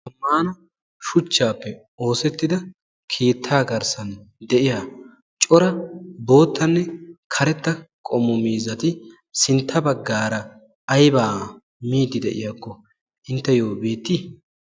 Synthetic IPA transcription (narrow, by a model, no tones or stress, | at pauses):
ɐmːaːnɐ | ʃʊt͡ʃːaːpːɛ | o̞ːsɛt̪ːɪd̪ɐ | kʰiːt̪ʰːaːɡɐɾsɐnd̪ɛʔɪja | t͡ʃʼɔɾɐbo̞ːt̪ːɐnːɛkʰɐɾɛt̪ːɐkʼɔmːʊmiːzɐt̪ɪ | sɪnt̪ʰːɐbɐɡːaːɾɐː | jbaː | miːd̪ɪd̪ɛ̰ʔɪ̰jakːɔ | ʔɪnt̪ːɛjoːbe̞ːt̪ːɪ